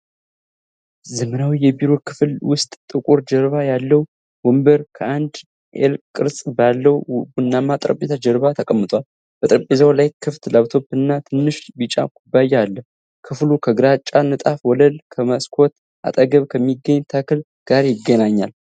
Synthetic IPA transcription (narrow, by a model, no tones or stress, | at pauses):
zəmənawijɛbiɾo̞kʰɨflwʊst̪ʼt̪ʼɨkʼuɾd͡ʒəɾβajalːəw | wɔmbəɾkʰəʔand̪ | ʔḛlkʼɨɾsʼbalːəwbunːamat̪ʼɾə̰pʼːet̪ʰad͡ʒəɾβat̪ʰəkʼəmːɨt̪ʼwal | b̥ət̪ʼɾəpʼːezawlajkʰɨft̪laβt̪ʰo̞bɨnːat̪ʰɨnːɨʃbɨt͡ʃʼa̰kʷʼubːajːɛalːə | kʰɨflukʰəɡɨɾat͡ʃʼːanət̪ʼafwɔləlkʰəməskʰo̞t̪ | ʔa̰t̪ʼəɡəβkʰəmːiɡːəɲːt̪ʰakʰɨl | ɡ̥aɾjɪɡːənaɲːal